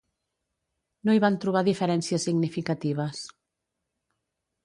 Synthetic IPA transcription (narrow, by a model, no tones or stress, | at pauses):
noiβant̪ɾuβ̞aðifəɾɛnsiəsːiɡnifikat̪iβ̞əs